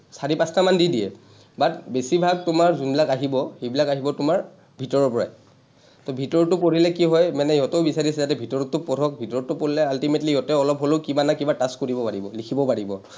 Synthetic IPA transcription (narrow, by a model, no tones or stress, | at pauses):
saɹipastamandidijɛ̰ | batbesibʱaɡ̚tʊmaɹzumbilakaɦibɔxebilakaɦibɔtʊmaɹ | bʱitɔɹɔɹpɔɹa̰j | tɔbʱitɔɹɔtʊpoɹilɛkiɦɔjmɛnɛiɦɔtoʊbisaɹisɛzatɛbʱitɔɹɔtːʊpɔdʰʱɔk̚bʱitɔɹɔtʊpoɹilɛaltimetlijɔtɛɔlɔpɦolokibanakibataskoɹibɔpaɹibɔlikʰibɔpaɹibɔ